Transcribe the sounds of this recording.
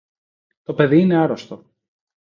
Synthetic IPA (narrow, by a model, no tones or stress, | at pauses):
t̪o̞pe̞ðiine̞ɐɾost̪o